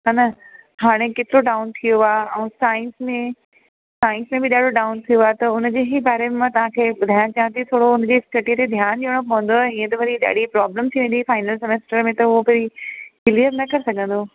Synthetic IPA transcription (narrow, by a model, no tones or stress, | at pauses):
ɦanɐɦaːɽ̃eket̪ɪɾoɖaːʊnt̪ʰijoaːɛ̃ːsaːɪ̃nsmẽ | saːɪ̃nsmẽbɪɗaːɖʱoɖaːʊnt̪ʰijoat̪ɐʊn̆d͡ʑeːɦɪbaːɾemẽmãt̪ɐʋ̤ãkʰeːɓʊd̪ʱaːjãt͡ɕaːɦə̃nt̪it̪ʰoːɽoʊnd͡ʑeːsʈɐʈiət̪ed̪ʱjaːnd͡ʑiʋəɽ̃op̬ɐɦə̃n̆d̪oɦɛĩːə̃t̪ɐʋɐɾiɗa̰ːɽ̤ipɾaːbləmt̪ʰiʋẽnd̪ifaːɪnəlsemeːsʈəɾmẽt̪ɐɦʊopɐɾikɪliəɾnɐkɐɾɪsɐɡʱə̃nd̪oː